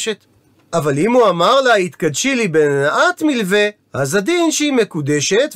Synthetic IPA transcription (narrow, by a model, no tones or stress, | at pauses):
ʃet̪ | ʔavalimuamaʁlahit̪kad̪ʃilibennaʔat̪milve̞ | hazad̪inʃeimekud̪eʃet̪